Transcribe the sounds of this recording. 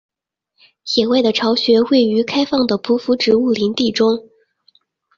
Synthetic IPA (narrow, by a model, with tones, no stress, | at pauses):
ɕjɛ˨˩we˥˩ɪd̪ə˩ʈ͡ʂʰɑ˧˥ʊɕɥɛ˧˥xwe˥˩ɪy˧˥kʰa˥ɪfɑ˥˩ŋd̪ə˩pʰu˧˥fu˧˥ʈ͡ʂɻ̩˧˥u˥˩li˧˥nt̪i˥˩ʈ͡ʂʊ˥ŋ